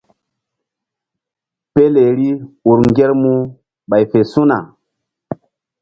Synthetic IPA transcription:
pe˦le˨ɾi˦u˨ɾŋɡʲe˦ɾmu˦ | ɓa˨jfe˨su˦na̰˨

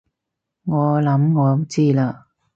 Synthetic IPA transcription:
ŋɔː˨˧lɐ˨˥mŋɔː˨˧˥t͡siː˥laː˧

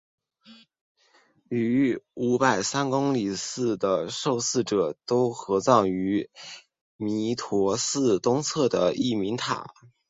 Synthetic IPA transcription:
y˧˥u˧˥pa˨˩ɪsa˥nkʊ˥ŋli˨˩sɹ̩˥˩d̪ə˩ʂo˥˧ʊsɹ̩˥˩ʈ͡ʂɤ˨˩t̪o˥ʊxɤ˧˥t͡sɑ˥˩ŋy˧˥ | mi˧˥t̪ʰwɔ˧˥sɹ̩˥˩t̪ʊ˥ŋt͡sʰɤ˥˩d̪ə˩i˥˩mi˧˥ŋt̪ʰa̰˨˩˦

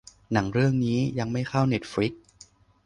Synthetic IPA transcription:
na˩˦ŋɾɯ˥˩əŋniː˦˥ja˧ŋma˥˩jxʰa˥˩wne˦˥t̪̚fɾi˦˥k̚

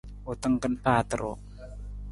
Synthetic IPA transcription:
o˨t̪ə˦ŋkə˦npaː˦t̪ə˨ɾo˨

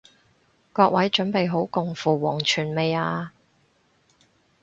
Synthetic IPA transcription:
kɔː˧k̚wʔɐ˨˥jt͡ʃɵ˨˥npe˨jɦo˨˥wkʊ˨ŋfuː˨wɔː˨˩ŋt͡ʃʰyː˨˩nme˨˧jaː˧

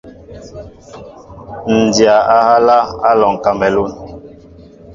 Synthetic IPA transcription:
n̩˨dja˨a˦ha˦la˦a˦lɔ˨ŋ˨ka˨mɛ˨lu˦n

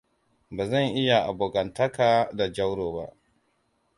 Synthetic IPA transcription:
baː˨zɐ˦˨ŋʔɪ˦ja˨ʔa˨boː˨ɡɐ˨ntɐ˦kaː˨da˨d͡ʒɐ˦wɽoː˨ba̰˦ʔ

